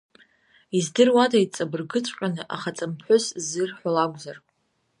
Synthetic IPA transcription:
izdɨrwadajt͡sʼabɨrɡɨt͡sʷʼqʲʷʼanɨʔaχat͡sʼɨmħʷʊszɨrħʷalaɡʷzar

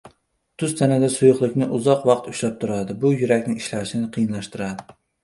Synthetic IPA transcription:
t̪ʰʊst̪ʰanad̪asʊjʊqlˠɨkʲnɪʔʊzɒqwɑqt̪ʊʃlap̚t̪ʰʊɾad̪ɪbʊjʊɾakʲnɪŋʃlaʃɪnɪqʰɨjɪnlaʃt̪ɪɾad̪ɪ

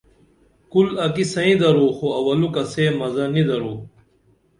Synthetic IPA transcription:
kulɐkisɐĩd̪ɐɾoːxoɐwɐlukɐseːmɐzɐnid̪ɐɾoː

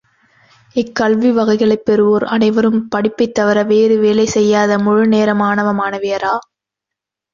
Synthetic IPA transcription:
ɪkːɐlʋiʋɐɣɐɪɣɐɭɐɪpːɛɾɯʋoːɾɐ̰nɐɪʋɐɾɯmpɐɽɪpːɐɪt̪ːɐʋɐɾɐʋeːɾɯʋeːlɐɪsɛjːaːðɐmʊɻɯneːɾɐmaːnɐʋɐmaːnɐʋejɐɾaː

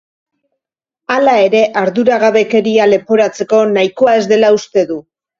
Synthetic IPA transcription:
alae̞ɾe̞ʔaɾðuɾaɣaβe̞ke̞ɾiale̞po̞ɾat͡se̞ko̞najko̞ae̞zd̪e̞laust̪e̞ðu

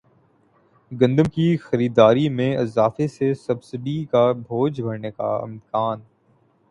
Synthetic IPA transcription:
ɡɐ̃nd̪əmkixɐɾiːd̪aːɾimẽɪzaːfesesɐbsɪɖikabʱoːd͡ʒbʱɐɾneka̰ɪ̰mkaːn

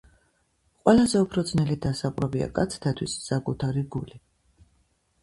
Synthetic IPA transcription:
qʼwɛlazɛupʰɾɔd̪znɛlid̪asaqʼɾɛbia̰kʼat̪sʰt̪ʰat̪ʰwisːakʼut̪ʰaɾiɡuli

